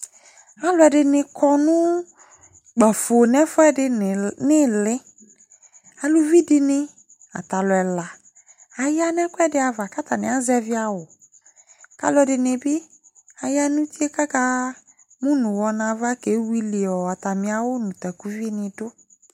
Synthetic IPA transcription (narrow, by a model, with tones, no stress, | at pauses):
a˦lʊ˨˦ɛ˨dɪ˨nɪ˨kʰɔ˦nʊ̃˦ | ɡ͡ba˨fo˨nɛ˦fʊ˦ɛ˦dɪ˦˨nɪ˦lɪ˦ | a˨lʊ˦vi˦dɪ˦nɪ˦ | a̰˨ta˨lʊ˨ɛ˨la˨ | a˨ja˦nɛ˦kʷɛ˦dɪ˦a˨va˨ka˦ta˨nɪ̃˨a˦zɛ˦vɪ˦a˨wʊ˨ | ka̰˨lʊ˦ɛ˨dɪ˨nɪ˨bɪ˦ | a˨ja˦nʊ̃˦ti˦e˦ka˦ka˦ | mũ˦nʊ̃˨wɔ˨nã˨va˦ke˨˦wi˦li˨ɔ˨a˨ta˨mɪ̃˨a˨wʊ˦nʊ̃˨ta˨ku˦vi˦nɪ˨dʊ˦